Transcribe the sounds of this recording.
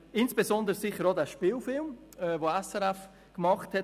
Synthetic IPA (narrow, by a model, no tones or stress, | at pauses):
ɪnsb̥ezɔndəɾsɪχəɾodæʃpiːlfɪlm | ɛːvoɛsɛɾɛf | kmɑχthɛ